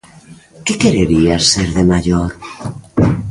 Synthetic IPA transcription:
kekeɾeɾiaseɾðemaʎoɾ

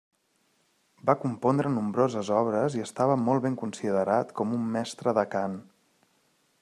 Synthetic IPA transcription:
bakumpond̪ɾənumbɾozəzɔβɾəziəst̪aβəmɔlˠβeŋkunsiðəɾat̪kɔmumːɛst̪ɾəðəkan

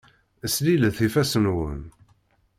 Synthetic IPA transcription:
əsliləθifæsənwə̰n

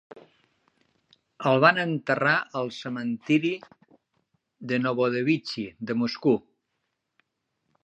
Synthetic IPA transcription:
əlˠβanənt̪əraəlˠsəmənt̪iɾi | ðənoβoðəβit͡ʃid̪əmusku

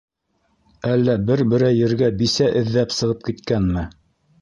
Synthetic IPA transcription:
ælːæbɘɾbɘ̆ɾæjɘ̆ɾɡæbisæʔɘ̆ðːæpsɤ̆ʁɤp̚kit̪kænmɘ

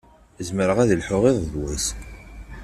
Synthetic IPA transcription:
əzməɾəʁæðilħʊʁeðˤðwəs

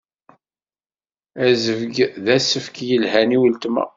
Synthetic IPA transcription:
æzəvɡðæsəfkjəlɦæniwəlt̪mæ̰

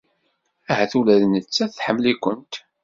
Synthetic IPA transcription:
æhæθulæðnət͡sːæθħəmːlikʷənt̪

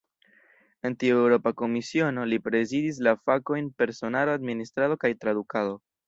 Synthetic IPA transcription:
e̞ntioewɾo̞pako̞misio̞nolipɾe̞zidis̬lafako̞jnpe̞ɾso̞naload̪ministɾado̞kajtɾadukado̞

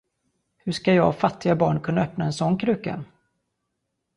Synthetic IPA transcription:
hɵʂkajɑːfat̪ːɪɡabɑːɳkʰɵnːaœpnaɛnsɔnːkʰɾʉ̟ːka̰

